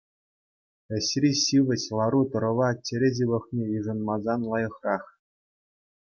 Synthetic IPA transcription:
ɘ̆ɕrʲiɕiʋʲɘ̆ɕlˠɑɾut̪ɤ̆ɾɤ̆ʋɑt͡ɕʲĕɾʲeʑiʋɤ̆χnʲejiʐɤ̆nmɑzɑnlˠɑjɤ̆χrɑχ

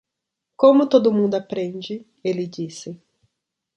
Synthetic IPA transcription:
kõmʊt̪od̪ʊmũnd̪ʊapɾẽnd͡ʒɪ | elɪd͡ʒisɪ

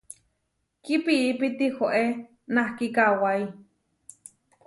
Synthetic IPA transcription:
kipiʔːpit̪ihoʔe | nahkikawai

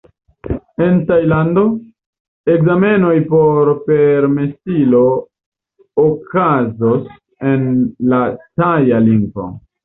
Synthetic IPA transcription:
e̞ntajlando̞ | e̞kzame̞no̞jpo̞ɾpe̞ɾme̞silo̞ | kazos | e̞nlatajaliŋɡo̞̰

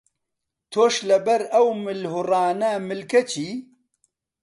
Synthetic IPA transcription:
t̪ʰoːʃlɐbɐɾɐwmɨlɦurɑːnamɪlkɐt͡ʃʰiː

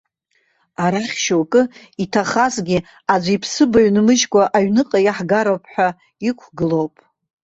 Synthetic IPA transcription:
aɾaχʲʃowkʼɨitʰaχazɡʲi | ad͡ʒʷipʰsɨbaɥnɨmɨʒkʷʼaʔaɥnɨqʼajaħɡaɾowpʰʼħʷᶣa | ikʷʰɡɨlowpʼ

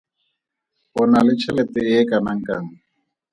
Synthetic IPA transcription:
ɔnalɪt͡ʃʰɛlɛtɛɪkʼanaŋ̩kʼaŋ̩

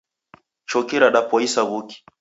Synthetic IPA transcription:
t͡ʃɔkɛɾaɗapɔisaɣuki̥

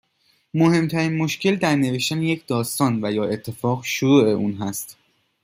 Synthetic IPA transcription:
mohe̞mt̪ʰæɾiːnmo̞ʃcʰe̞ld̪æɾneve̞ʃt̪ænejecʰd̪ɒːst̪ɒːnvæjɒːe̞t̪ʰːe̞fɒːɣʃoɾuːe̞uːnɦæst̪

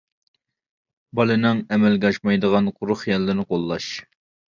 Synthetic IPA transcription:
bɑlˠɨnɪŋɛmɛlɡʲɑʃmɑjd̪əʁɑnqʰʊɾʊχjɛlːɪnɪqʰolˠːɑʃ

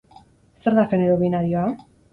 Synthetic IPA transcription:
seɾðafeneɾoβinaɾioa

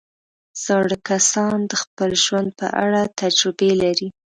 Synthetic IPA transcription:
z̥aɽkasɑnd̪əxpəlʒwand̪̚pə̰ʔa̰ɽat̪ad͡ʒɾɪbelaɾi

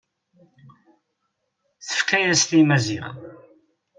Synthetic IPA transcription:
θə̥fkæjæslimæziʁa̰

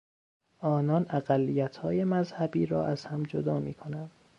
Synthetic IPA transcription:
ʔɒːnɒːnæɣælːijæt̪ʰhɒːje̞mæzhæbiːɾɒ̰ːʔæz̥hæmd͡ʒod̪ɒːmiːkʰo̞nænd̪

